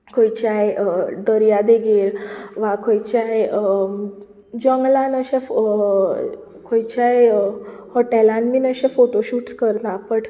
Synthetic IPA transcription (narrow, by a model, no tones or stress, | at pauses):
kʰojt͡ɕajd̪əɾjad̪eɡelʋakʰojt͡ɕaj | d͡ʑəŋɡlãnəɕẽf | kʰojt͡ɕajhɔʈɛlãnmiːnəɕẽfoʈoɕuːʈskəɾt̪ãpəʈ